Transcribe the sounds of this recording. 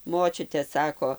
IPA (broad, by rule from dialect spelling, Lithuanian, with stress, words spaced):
ˈmoːt͡ʃʲʊtʲɛ ˈsɑːkoː